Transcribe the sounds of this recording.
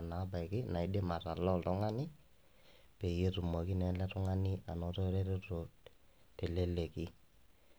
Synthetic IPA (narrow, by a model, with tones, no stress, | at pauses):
naː˨˦ba˨kɪ˦na˨ɪ˦de˦ma˨ta˨lɔ˦˨ltɔ˦ŋa˦nɪ˦ | pe˨je˦tu˨mo˨ki˦nɛ˨˦lɛ˦tʊ˦ŋa˦nɪ˦a˨nɔ˨˦tɔ˦ɾe˦ɾe˦ro˨ | tɛ˨le˦le˨kɪ˦